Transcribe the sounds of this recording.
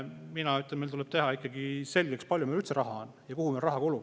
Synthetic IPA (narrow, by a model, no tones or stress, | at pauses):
minɑyt̪lemelt̪ulɛb̥̚t̪e̞ɦɑikˑːɑɡ̥ise̞lʲɡ̥ekspɑlʲjumelyt̪seɾɑɦɑon | jɑkuhumelrɑɦɑɡ̥oluɡ